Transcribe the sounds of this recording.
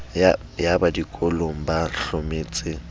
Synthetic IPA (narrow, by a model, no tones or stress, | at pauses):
jabadikʼɔloŋ̩baɬomeːt͡sʼɪ